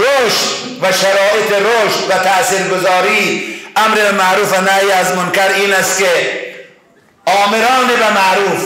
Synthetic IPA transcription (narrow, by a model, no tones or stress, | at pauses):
ɾoʃt̪ | vaʃaɾɒːʔet̪eɾoʃt̪vat̪ʰasiːɾɡozɒːɾiːamɾebamaɾuːfanæiazmʊnkaɾiːnast̪̚ke | ɒːmeɾɒːnebamaɾuːf